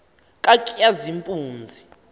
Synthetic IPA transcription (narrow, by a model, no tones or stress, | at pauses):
kʼakʼijazimpʼuːnd͡zʱi